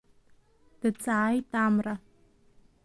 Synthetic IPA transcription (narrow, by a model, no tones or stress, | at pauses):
d̥ɨt͡sʼaːjtaːmra